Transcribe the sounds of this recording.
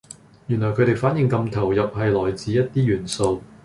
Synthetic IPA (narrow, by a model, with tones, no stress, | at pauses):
jy˨˩nlɔː˨˩jkʰɵ˨˧t̪e˨jfaː˨˥njɪ˨ŋkɐ˧mt̪ʰɐ˨˩wjɐ˨p̚ɦɐ˨jlɔː˨˩jt͡siː˨˧jɐ˥t̚t̪iː˥jyː˨˩nso˧w